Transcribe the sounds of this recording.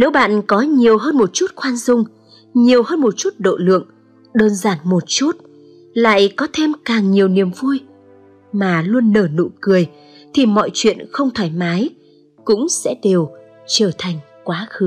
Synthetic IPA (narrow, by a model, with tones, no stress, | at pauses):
ne˨˦wɓa̰ː˧˨nkɔ˨˦ɲi˨˩əwɦəː˧nmo˨˩t̚t͡ɕu˦˥t̚kwaː˧nzʊ˧ŋ͡m | ɲi˨˩əwhəː˧nmo˨˩t̚t͡ɕu˦˥t̚ɗo̰˧˨lɨ̰˧˨əŋ | ɗəː˧nzaː˧˩nmo˨˩t̚t͡ɕu˦˥t̚ | la̰ː˧˨jkɔ˨˦t̪ʰe˧mkaː˨˩ŋɲi˨˩əwni˨˩əmvu˧j | maː˨˩lu˧ənːəː˧˩nṵ˧˨kɨ˨˩əj | t̪ʰi˨˩mɔ̰˧˨jt͡ɕwḭ˧˨ənxə˧wŋ͡mt̪ʰaː˧˩jmaː˨˦j | kʊ̰˧˥ŋ͡msɛ̰˧˥ɗe˨˩w | t͡ɕəː˧˩t̪ʰa˨˩jŋ̟ | kwaː˨˦xɨ˨˦